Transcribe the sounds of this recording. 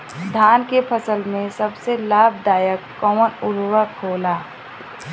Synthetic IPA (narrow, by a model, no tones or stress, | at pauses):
d̪ʱaːnkepʰəsəlmẽsəbselaːb̚ʱd̪aːjəkːɔːmənʊɾwəkʰoːlaː